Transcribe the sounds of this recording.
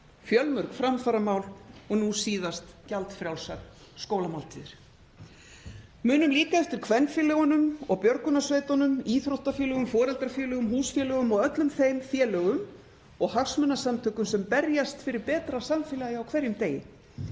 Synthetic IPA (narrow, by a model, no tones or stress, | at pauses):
fjœlmœɾkfɾamfaɾamaːwlɔɣnusiːðast̪calt̪fɾjawlsak̪ | skowlamawlt̪ʰɪːðɪɾ̥ | mʏːnʏmliːkaɛft̪ɪɾ̥kʰvɛnːfɛlɛɣɔnʏmɔɣpjœɾkʏnasveːjt̪ɔnʏmiːθɾowht̪afjɛːlœɣʏmfɔːɾɛlt̪ɾafjɛːlœɣʏmhuːsfjɛːlœɣʏmɔɣœt̪lʏmθejmfjɛːlœɣʏm | ɔɣhafsmœnasamt̪ʰœːkʏmsɛmpɛɾjast̪fɪɾɪɾpɛːt̪ɾasaɱfɪlajaawkʰvɛɾjʏmt̪eːjɪ̰